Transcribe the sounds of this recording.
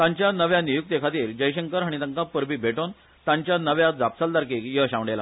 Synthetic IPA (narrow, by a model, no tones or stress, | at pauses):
t̪ãɲt͡ɕjanəʋjanijuk̚t̪ekʰat̪iːɾd͡ʑəjɕəŋkəɾɦaɽ̃it̪əŋkapəɾbiːbʱeʈon | t̪ãɲt͡ɕjanəʋjad͡zap̚t͡sald̪aɾkiːkjəɕãʋɳɖela